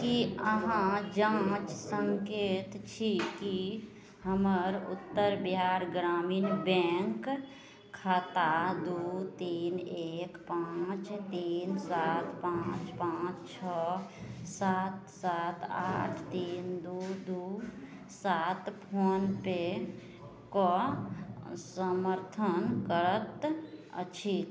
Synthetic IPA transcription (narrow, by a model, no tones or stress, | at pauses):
kiəɦãd͡ʒãt͡ʃsəŋkeːt̪t͡ʃʰiki | həməɾʊ̰t̪ːəɾbɦaɾɡɾaːminbɛŋkʰː | aːt̪ad̪ut̪iːnekpãt͡ʃt̪iːnsat̪pãːt͡ʃpãːt͡ʃt͡ʃʰɔ | saːt̪saːt̪a̰ːʈʰt̪iːnd̪ud̪u | sat̪pʰoːnpe | ko | səməɾt̪ʰənkəɾət̪ə̰t͡ʃʰi